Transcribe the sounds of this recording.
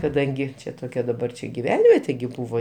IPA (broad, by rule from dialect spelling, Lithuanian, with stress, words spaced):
kɐˈdɐŋʲɡʲɪ ˈt͡ʃʲɛ toːˈkʲɛ dɐˈbɐr t͡ʃʲɛ ɡʲɪˈʋʲɛnʲʋʲiɛtʲeː ɡʲɪ ˈbuːʋoː